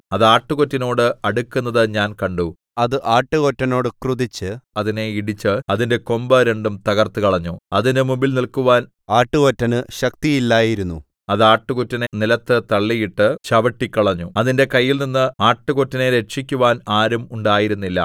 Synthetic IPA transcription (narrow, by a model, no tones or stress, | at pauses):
ɐðaːʈːukotːino̞ːɽɨɐɽukʲːunːɐðɨɲaːnkɐɳɖu | ɐðɨʔaːʈːɨɣo̞tːɐno̞ːɽɨkruðit͡ɕːɨɐðine̞iɽit͡ɕːɨɐðinde̞ko̞mbɐɾeɳɖumt̪ɐɣɐrt̪ɨkɐɭɐɲːuɐðindemubilnilkuʋaːn | aːʈːuɣotːɐnɨɕɐk̚t̪ijilːaːjiɾunːṵ | ɐðaːʈːukutːɐnenilɐt̪ːɨt̪ɐɭːijiʈːɨt͡ɕɐʋɐʈːikʲːɐɭɐɲːuɐðinde̞kɐjːilninːɨaːʈːukotːɐneɾeʂikʲːuʋaːnaːɾumuɳɖaːjiɾunːilːɐ̰